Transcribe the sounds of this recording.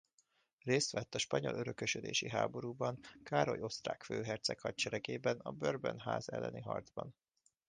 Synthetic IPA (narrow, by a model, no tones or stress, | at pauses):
reːst̪ʋɛt̪ːɒʃpɒɲo̞̰lʔøɾøkøʃød̪ḛːʃiɦaːbo̞ɾuːbɒŋkaːɾo̞jo̞st̪raːkføːɦɛrt̪sɛkhɒc̚t͡ʃɛɾɛkeːbɛnɒbørbɛnɦaːzɛlːɛ̰niɦɒ̰rd̪zbɒn